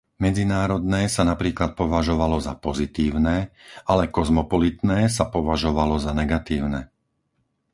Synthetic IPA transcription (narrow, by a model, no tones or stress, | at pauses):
mɛd͡zinaːɾɔd̪nɛːsanapɾiːklat̪̚pɔʋaʒɔʋalɔzapɔzit̪iːʊnɛːalɛkɔzmɔpɔlit̪nɛːs̬apɔʋaʒɔʋalɔzanɛɡat̪iːʊnɛː